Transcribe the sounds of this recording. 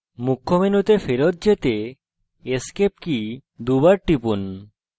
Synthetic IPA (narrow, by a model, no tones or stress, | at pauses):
mukʰːomenut̪efeɾot̪̚d͡ʑet̪e | eskep̚kid̪ubaɾʈipun